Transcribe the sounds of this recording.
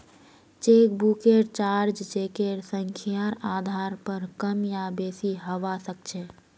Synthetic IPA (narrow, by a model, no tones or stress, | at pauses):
t͡ʃeːk̚bukeɾt͡ʃaɾd͡ʒt͡ʃekeɾsəŋkʰijaɾad̪ʱaɾpəɾkəmjabesiɦəʋasək̚t͡ʃʰɛ